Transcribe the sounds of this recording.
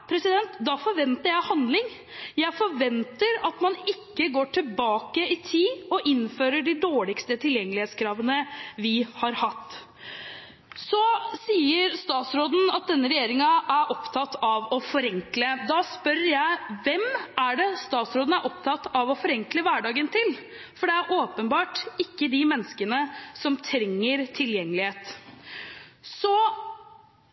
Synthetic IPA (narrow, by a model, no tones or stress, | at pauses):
pʰɾɛsɪd̪ɛnt̪d̪ɑfɔɾʋɛnt̪əɾjæɪhɑnd̪lɪŋ | jæɪfɔɾʋɛnt̪əɾɑt̪mɑnɪkːəɡoːʈʰɪlbɑːkəɪt̪ʰiːɔʔɪnføːɾəɖɪd̪oːɭɪkst̪ət̪ʰɪljɛŋːəlɪheːt̪skʰɾɑːʋənəʋɪhɑɾhɑt̪ː | sɔsiːəɾst̪ɑːt̪sɾoːd̪n̩ɑt̪̚d̪ɛnːəɾɛjeːɾɪŋɑʔæɾʔɔpt̪ʰɑt̪ːɑʋɔfɔɾɛŋkləd̪ɑːspœɾəjæɪʋɛmæɖɛst̪ɑːt̪sɾoːd̪n̩æɾʔɔp̚t̪ʰɑt̪ːɑʋɔfɔɾɛŋkləʋæɖɑːɡənt̪ʰɪl | fɔɖɛæɾʔoːpənbɑːʈɪkːəd̪ɪmɛnːskənəsɔmt̪ʰɾɛŋːəɾt̪ʰɪljɛŋːəlɪheːt̪ | sɔ